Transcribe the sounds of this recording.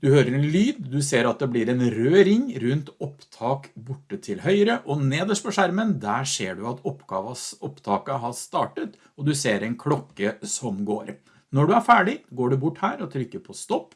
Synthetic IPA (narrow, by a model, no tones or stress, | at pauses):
d̪ʉhøːɾəɾɛnlyːd̪d̪ʉseːɾɑt̪̚d̪ɛblɪɾɛnɾøːɾɪŋːɾʉnt̪ɔpt̪ʰɑːkbʊʈːət̪ʰɪlɦœʏɾəʔɔneːd̪əʂpʰɔʂæɾmənd̪æːʂeːɖʉɑt̪ɔpːɡ̥ɑːʋɑsɔpːt̪ʰɑːkəɦɑst̪ɑːʈət̪ | ɔd̪ʉseːɾɛnkʰlɔkːəsɔmɡoːɾ | nɔɖʉæɾfæːɖɪɡoːɖʉbʊʈːhæːɾɔt̪ʰɾʏkːəɾpʰɔst̪ɔpː